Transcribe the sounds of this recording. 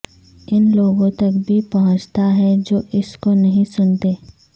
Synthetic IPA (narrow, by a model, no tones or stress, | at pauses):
ɪnloːɡõt̪ɐkbʱipɐɦʊ̃t͡ʃt̪aɦɛd͡ʒoːʔɪskonɐɦĩsʊnt̪eː